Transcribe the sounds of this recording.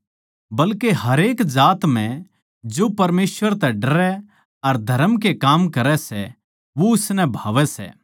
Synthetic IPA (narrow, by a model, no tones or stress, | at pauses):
bɐlkeɦɐɾeːkd͡ʒaːt̪m̤ɛ̃ | d͡ʒopɐɾmeːsʋəɾt̪ɛɖɐɾɛ | ɐɾd̪ʱɐɾəmk̬ekaːmkɐɾɛsɛ̰ | ʋoʊsnɛbʱaːʋɛsɛ̰ː